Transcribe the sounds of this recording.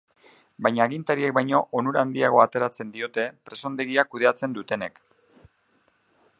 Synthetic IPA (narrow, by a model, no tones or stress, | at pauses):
bajɲaːɣint̪aɾiek̚bajɲo̞ʔonuɾaand̪iaɣ̞o̞at̪e̞ɾat͡se̞nd̪io̞t̪e̞pɾe̞so̞nd̪e̞ɣ̞iakuð̞e̞at͡se̞nd̪ut̪e̞ne̞̰k